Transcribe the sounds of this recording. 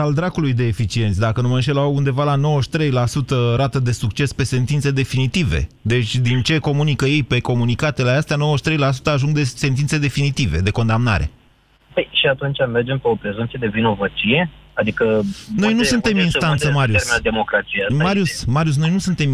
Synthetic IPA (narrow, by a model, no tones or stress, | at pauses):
ald̪ɾakulujd̪e̞ːfit͡ʃie̞nt̪sʲd̪akənumanʃ̬elawund̪e̞valano̞wəʃt̪ɾe̞jlasut̪əɾat̪əd̪e̞suk̚t͡ʃe̞spe̞se̞nt̪int̪se̞d̪e̞finit̪ive̞̰d̪e̞t͡ʃʲd̪int͡ʃe̞ko̞munikəje̞jpe̞ko̞munikat̪e̞least̪eano̞wəʃt̪ɾejlas̬u̥t̪əaʒuŋɡd̪e̞se̞nt̪inse̞d̪e̞finit̪ive̞d̪e̞ko̞nd̪amna̰ɾe̞̰ | pejʃiat̪unt͡ʃʲame̞rd͡ʒempeopɾe̞zumt̪sied̪e̞vino̞vət͡ʃije̞ad̪ikəno̞jnusunt̪e̞minsant̪səmaɾjumead̪emo̞kɾat̪siamaɾjussmaɾius̬no̞jnusunt̪e̞m